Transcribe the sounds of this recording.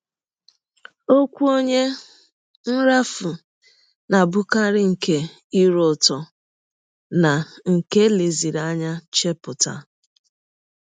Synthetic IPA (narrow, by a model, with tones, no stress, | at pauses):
o˦kʷu˦o˦ɲe˦ | n̩˦ɾa˦fʊ˨ | na˨bʊ˦ka˦ɾɪ˦ŋ̩˨ke˦ | i˦ɾʊ˦˨tɔ˨ | na˨ŋ̩˨ke˦le˨zi˨ɾa˦ɲa˦t͡ʃe˦pʊ˨ta̰˦˨